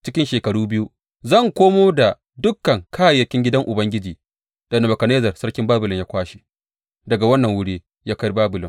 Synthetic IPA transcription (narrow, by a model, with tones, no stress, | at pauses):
t͡ʃɪ˦kʲɪ˦nʃeː˨kɐ˨ɽuː˦bɪ˦ju˦ | zɐ˦˨ŋkʷoː˦moː˦da˨ | dʊ˦kːɐ˨ŋkʰaː˦˨jːɐ˨kʲɪ˦ŋɡʲɪ˦dɐ˦ŋʔʊ˨bɐ˦ŋɡʲɪ˦d͡ʒiː˨ | d̥ɐ˨na˨mɐ˨kɐ˨neː˦zɐ˨rsɐ˦ɽkʲɪ˦mbaː˦bʊ˨lɪ˨ɲjaː˦kʷaː˦ʃi̥˦ | dɐ˨ɡa˨wɐ˦nːɐ˨ŋwʊ˦ɽeː˦ | jaː˦ka˦jbaː˦bʊ˨lɪ˨ŋ